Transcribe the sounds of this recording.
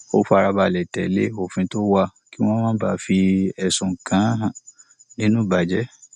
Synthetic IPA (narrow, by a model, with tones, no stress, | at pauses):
o˦fa˧ɾa˧ba˧˨lɛ˨tɛ˨lḛ˦o˨fĩ˧˦to˦wa˦˧ | ki˦w̃ɔ̃˦mãː˦ba˦fi˧ɛ˨sũ˨ŋ̩˨kã˨˦ɦã˨nĩ˦nũ˦˨ba˨d͡ʒɛ˦